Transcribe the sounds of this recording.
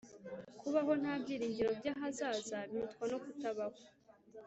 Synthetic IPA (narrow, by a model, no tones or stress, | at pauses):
kuβaɦo̞n̥haːbɟiːɾiːɲɟiɾo̞bɟaɦazaːzaβitkwano̞kutaβako